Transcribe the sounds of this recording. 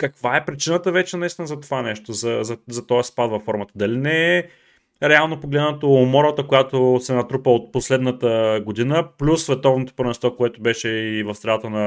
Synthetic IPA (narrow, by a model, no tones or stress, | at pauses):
kɐkvaɛpɾit͡ʃinət̪əvɛt͡ʃɛnɐist̪inəzɐt̪ovanɛʃt̪ozɐzɐzɐt̪ɔjəspad̪vɐfːɔɾmət̪əd̪ɐlinɛ | ɾɛalˠnopoɡlɛd̪nt̪oːmɔɾət̪əkojat̪osɛnɐt̪ɾupəot̪̚poslɛd̪nət̪əɡod̪inəplʲusːvɛt̪ɔvnot̪o̥pɾvɛnst̪vɔkoɛt̪ʊbɛʃɛivɐfsɾɛlˠat̪ənɐ